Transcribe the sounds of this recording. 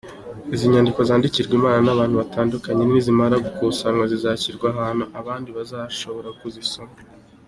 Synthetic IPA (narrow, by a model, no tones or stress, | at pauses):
iziɲandikozaːndiciɾɡwimaːnanaβaːnhuβataːndukaɲenizimaɾaɡukusaŋŋwazizaciɾɡwaɦaːnuʔaβaːndiβazaʃo̞βo̞ɾakuzisoma